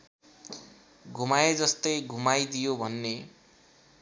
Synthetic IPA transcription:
ɡʱumajed͡zʌst̪ʌjɡʱumajd̪ijobʱʌnːe

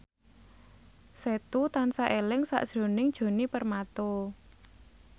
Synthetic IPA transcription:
set̪ut̪ansaʔelɪŋsa̰ʔd̥ʒ̥ɾo̤nɪŋd̥ʒ̥o̤nipərmat̪o

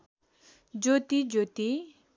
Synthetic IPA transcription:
d͡ʒot̪id͡ʒot̪i

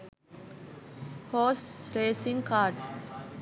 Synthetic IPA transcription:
hoːsɾeːsĩŋkʰaːɾʈs

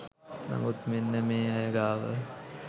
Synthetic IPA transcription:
nɐ̰mut̪menːəmeːɐjəɡaːʋə̰

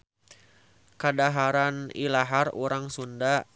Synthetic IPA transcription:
kadaɦaɾanilaɦaruɾaŋsunda

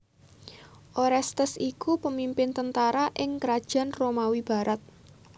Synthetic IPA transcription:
ʔoɾɛst̪əsikupəmimpɪnt̪ənt̪aɾaʔɪŋkəɾad̥ʒ̥a̤nromawib̥a̤ɾʔat̪̚

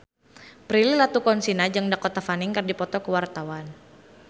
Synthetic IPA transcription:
pɾililat̪ukɔnsinad͡ʒɨŋdakɔt̪afanɪŋkɨrdipɔt̪ɔkəwart̪awan

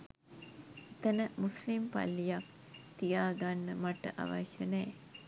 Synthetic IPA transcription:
et̪ənəmuslimpa̰lːijak | t̪ijaːɡanːəmaʈə̰ʔa̰ʋa̰ʃənɛː

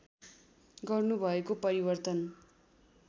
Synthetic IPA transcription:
ɡʌrnubʱʌekopʌɾibʌrt̪ʌn

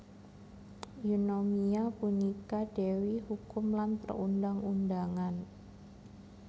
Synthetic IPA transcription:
junomiapunikad̥ewihukʊmlant̪ərṵndaŋundaŋan

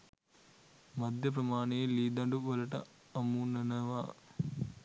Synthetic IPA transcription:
mɐd̪ʱjɐp̬ɾɐmaːɳeliːd̪ɐɳɖuʋɐlɐʈɐ̰ | ɐmuːnɐnɐʋaː

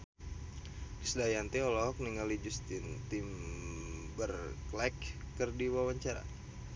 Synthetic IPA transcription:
isdajant̪iɔlɔɦɔk̚niŋalid͡ʒust̪int̪im | bərklɛkːərdiwawaɲt͡ʃaɾa̰

